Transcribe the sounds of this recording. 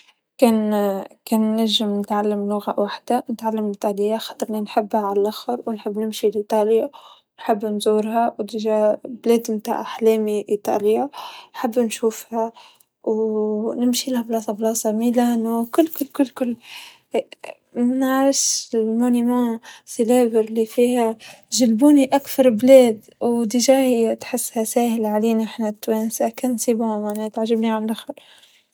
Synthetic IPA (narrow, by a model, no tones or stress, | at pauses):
keːnkeːnːaʒɪmnɪt̪ʕalːamlʊɣawaħd̪̥anɪt̪ʕalːamiɪt̪ɑːlɪjːaxɑt̪ˤɾninħɪbːhaʕallʔaxɑɾˤwnħɪbːnɪmʃilʔit̪ˤɑːljawnħɪbːnzuːɾhawt̪ɪʒableːd̪mt̪a̰ʕaħleːmiʔit̪ˤɑ̰ːlɪjanħɪbːnʃuːfha | wnɪmʃilahablɑːsˤɑblɑːsˤɑmilankʊlːkʊlːkʊlːkʊlː | mɪnʕaɾɪʃɪlmonimɑ̃sileːvəɾlifiːha | ʒɪlbuːniʔakθɑɾˤbleːd̪ | wd̪ɪʒaːhit̪ħɪsːhasaːhɪlʕaleːnɪħnat̪ːweːnsakannsiːbhamanat̪ʕaʒɪbniʕallʔaxal